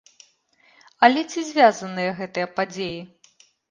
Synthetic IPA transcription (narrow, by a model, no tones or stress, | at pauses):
ɐlʲɛt͡sʲizʲvʲazɐnɨjɐɣɛt̪ɨjɐpad͡zʲeji